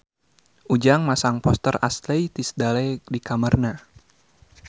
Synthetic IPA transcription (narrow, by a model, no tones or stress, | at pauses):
ʔud͡ʒaŋmasaŋpɔst̪əra̰slejt̪isədalɛdikamərna